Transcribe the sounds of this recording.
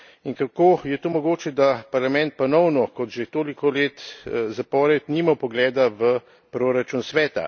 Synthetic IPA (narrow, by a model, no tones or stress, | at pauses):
iŋkakoːjɛt̪oːmɔɡoːt͡ʃɛd̪apaɾlamɛnt̪̚pɔnɔwnɔkɔt̪ʒet̪oːlikɔleːt̪zapɔːɾɛt̪niːmapɔɡlɛːd̪aʋə | pɾoːɾat͡ʃunsʋɛːt̪a̰